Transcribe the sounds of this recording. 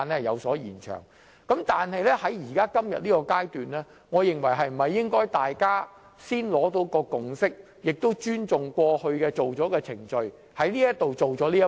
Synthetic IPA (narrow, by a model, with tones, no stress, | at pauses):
nɛː˥jɐ˨˧wsɔː˨˥jḭː˨˩nt͡ʃʰœ̰ː˨˩ŋ | kɐ˨˥mt̪aː˨nhɐ˨jlɛː˥hɐ˨˥jjiː˨˩kaː˥kɐ˥mjɐ̰˨t̚liː˥kɔː˧kaː˥jt̪yː˨nɛː˥ | ŋɔː˨˧jɪ˨˧ŋwɐ˨˩jɦɐ˨jm̩˨˩hɐ˨jːɪ˥ŋkɔː˥jt̪aː˨jkaː˥ | siː˥nlɔː˨˥t̪o˨˧˥wkɔː˧kʊ˨ŋsɪ˥k̚ | jɪ˨k̚t̪o˥wt͡ʃyː˥nt͡sʊ˨˩ŋkʷɔː˧hɵ˧ɥkɛː˧t͡so˨wt͡sɔː˨˥kɛː˧t͡sʰɪ˨˩ŋt͡ʃɵ˧ɥ | hɐ˨˥jliː˥jɐ˥t̚t̪o˨wt͡ʃo˨wt͡sɔː˨˥liː˥